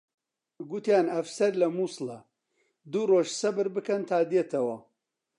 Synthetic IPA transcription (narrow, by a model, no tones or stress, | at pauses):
ɡʊt̪jaːnɐfsɐɾlɐmuːsɨlɐ | d̪uroːʒsɐbɨɾbɨkɐnt̪ʰaːd̪jet̪ʰɐwɐ